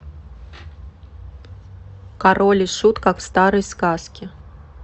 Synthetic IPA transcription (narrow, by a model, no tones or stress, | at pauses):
kaɾolʲiʂut̪kakfst̪aɾɨjskaskʲɪ